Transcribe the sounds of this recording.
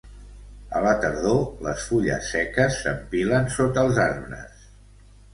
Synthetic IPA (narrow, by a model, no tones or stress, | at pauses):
ələt̪əɾðoləsfuʎə̰sːɛkəsːə̰mbilənsot̪əlˠzaɾβɾə̰s